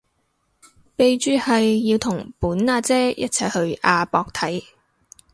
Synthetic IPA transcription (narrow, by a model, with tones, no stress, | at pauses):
pe˨˧jt͡ʃyː˧hɐ˨jːiː˧wt̪ʰʊ˨˩ŋpuː˨˥nŋaː˧t͡sɛː˥jɐ̰˥t̚t͡sʰɐ˧jhɵ˧ɥaː˧pɔː˧k̚t̪ʰɐ˨˥j